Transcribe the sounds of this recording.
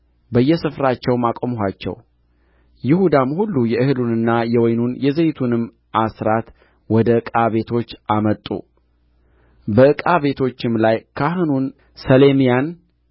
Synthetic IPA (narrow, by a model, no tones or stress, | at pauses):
bəjːɛsɨfɾat͡ʃːɛwmakʼomɦat͡ʃːɛ̰w | jɪhud̪amhulːujɛʔɨhɨlunɨnːajɛwɔjnunjɛzejt̪ʰunɨm | ʔasɾat̪ | wɔd̪əɨkʼaβe̞t̪ʰo̞t͡ʃːʔamət̪ʼṵ | bəɨkʼaβe̞t̪ʰo̞t͡ʃːɪmlajkʰahɨnun | səle̞mijan